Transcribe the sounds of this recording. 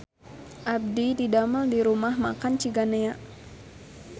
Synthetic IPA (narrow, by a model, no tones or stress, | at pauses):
ʔab̚dididaməldiɾumahmakant͡ʃiɡaneaʔ